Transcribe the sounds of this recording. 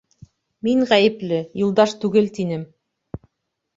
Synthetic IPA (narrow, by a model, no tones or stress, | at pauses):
miŋʁæjɘ̆plɘjulˠd̪ɑʃt̪ʉɡɘlt̪inɘm